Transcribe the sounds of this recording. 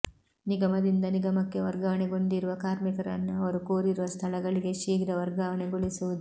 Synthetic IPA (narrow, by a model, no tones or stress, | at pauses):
niɡɐmɐd̪ind̪ɐniɡɐmɐkːe̞ʋɐɾɡɐʋɐɳeɡo̞nɖ̪iɾuʋɐkaːɾmikɐɾɐ̰nːuɐʋɐɾukoːɾiɾuʋɐst̪ʰɐlɐɡɐɭiɡe̞ʃiːɡɾɐʋɐɾɡɐʋɐɳeɡoɭisuʋud̪u